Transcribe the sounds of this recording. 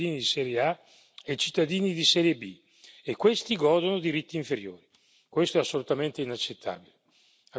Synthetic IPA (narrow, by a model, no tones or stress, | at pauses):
iːnid̪isɛːɾjea | et͡ʃi̥t̪ːad̪iːnid̪isɛːɾjebi | ekːwest̪iɡɔːd̪onod̪iɾit̪ːiːɱfeɾjo̰ːɾi | kwest̪oɛasːolut̪ament̪einat͡ʃːet̪ːa̰ːbile | a